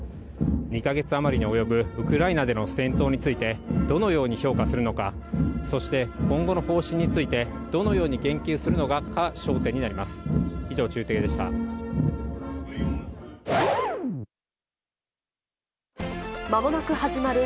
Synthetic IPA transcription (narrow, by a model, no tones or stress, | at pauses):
ɲ̟ikaɡe̞t͡sɨamaɾʲiɲ̟io̞jo̞bɯ̟ɯ̟kɯ̟ɾainad̪e̞no̞sẽ̞nt̪o̞ːɲ̟it͡sɨit̪e̞d̪o̞no̞jo̞ːɲ̟iço̞ːkasɨɾɯ̟no̞kaso̞ɕi̥t̪e̞kõ̞ŋɡo̞no̞ho̞ːɕĩɲ̟ːit͡sɨit̪e̞ | d̪̥o̞no̞jo̞ːɲ̟iɡẽ̞ŋkʲɨːsɨɾɯ̟no̞ɡakaɕo̞ːt̪ẽ̞ɲ̟ːinaɾʲimasɨ̥iʑo̞ːt͡ɕɨːt̪eːd̪e̞ɕi̥t̪a̰ | mabo̞nakɯ̟haʑimaɾɯ̟